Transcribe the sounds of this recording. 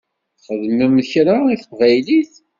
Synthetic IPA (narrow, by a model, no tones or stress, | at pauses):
θχəðməmçɾaiθvæjliθ